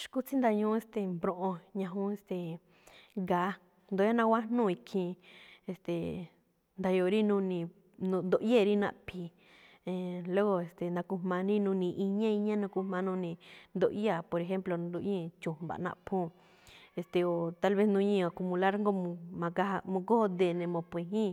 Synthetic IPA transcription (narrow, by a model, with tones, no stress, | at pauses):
ʃku˦t͡si˦nd̪a˧ɲũ˦e˧st̪e˨mbɾõ˧ʔõ˧ɲã˧ɦũ˦e˧st̪e˨ | ɡa˨˦ | nd̪o˧˦a˦nã˧wʷa˦nũ˦˨i˧kʰĩ˧e˧st̪e˨ | nd̪a˧jo˧˨˧ɾi˦nũ˦˧nĩ˧ | nũ˧nd̪o˧ʔe˦˨˧ɾi˦nã̰˧ʔpʰi˧ | ẽ˨lo˦ɣo˧e˨st̪e˨nã˧ku˧m̥ã˧ɾĩ˦nũ˧nĩ˧ʔi˧ɲã˦i˧ɲã˦nã˧ku˧mã˧nũ˧nĩ˧nd̪o˧˨ʔi˦a˦˨po˨ɾe˧ɦe˦mplõ˧˨˧d̪o˧ʔɲĩ˦t͡ʃũ˨ba̰˨nã̰˧ʔpʰũ˦˨ | e˧˨st̪e˨o˨t̪a˦lβe˦snũ˧˦ɲĩ˦˧o˨ku˧mũ˧la˦ɾŋɡo˦mũ˧mã˧ɡa˦˧mõ˧ɡo˦ho˦d̪e˧˨nẽ˧mõ˧pẽ˧ɦĩ˦